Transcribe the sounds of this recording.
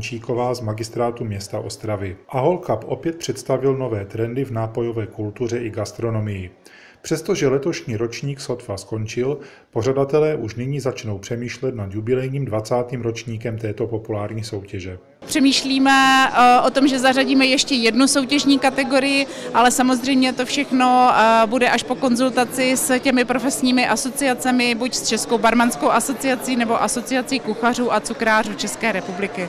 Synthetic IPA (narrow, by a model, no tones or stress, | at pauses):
t͡ʃiːko̞vaːzmaɡɪst̪ɾaːt̪umɲɛst̪aʔo̞st̪ɾavɪʔaɦolkapʔo̞pjɛt̪̚pr̥ɛt̪st̪avɪlno̞vɛːt̪ɾɛndɪvnaːpo̞jo̞vɛːkult̪ur̝ɛʔɪɡast̪ɾo̞no̞mɪjɪ | pr̝̥ɛst̪o̞ʒɛlɛt̪o̞ʃɲiːɾo̞t͡ʃɲiːksot̪fasko̞nt͡ʃɪl | po̞r̝adat̪ɛlɛːʔuʃnɪɲiːzat͡ʃno̞wpr̥ɛmiːʃlɛt̪nad̪jubɪlɛjɲiːmdvat͡saːt̪iːmɾo̞t͡ʃɲiːkɛmt̪ɛːt̪o̞po̞pulaːɾɲiːso̞wcɛʒɛ | pr̥ɛmiːʃliːmɛʔo̞t̪o̞mʒɛzaraɟiːmɛjɛʃcɛjɛdnuso̞wcɛʒɲiːkat̪ɛɡo̞ɾɪjɪ | ʔalɛsamo̞zr̝ɛjmɲɛt̪o̞fʃɛxno̞budɛʔaʃpo̞ko̞nzult̪at͡sɪscɛmɪpɾo̞fɛsɲiːmɪʔaso̞t͡sɪat͡sɛmɪbucst͡ʃɛsko̞wbaɾmanskowʔaso̞t͡sɪat͡siːnɛbo̞ʔaso̞t͡sɪat͡siːkuxar̝uːʔat͡sukɾaːruːt͡ʃɛskɛːɾɛpublɪkɪ